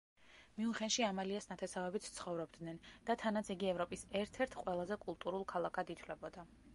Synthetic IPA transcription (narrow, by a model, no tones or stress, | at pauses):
miuχɛnʃiamaliasnat̪ʰɛsavɛbit̪ʰt̪sʰχɔvɾɔbd̪nɛnd̪̥at̪ʰanat̪sʰiɡiɛvɾɔpʼisɛɾt̪ʰɛɾt̪ʰqʼwɛlˠazɛkʼulˠt̪ʼuɾulˠkʰalˠakʰad̪it̪ʰwlɛbɔd̪a